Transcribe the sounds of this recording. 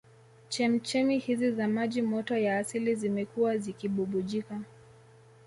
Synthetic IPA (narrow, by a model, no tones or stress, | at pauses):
t͡ʃɛm̩t͡ʃɛmihizizamaʄimɔtɔjaːsilizimɛkuwazikiɓuɓuʄika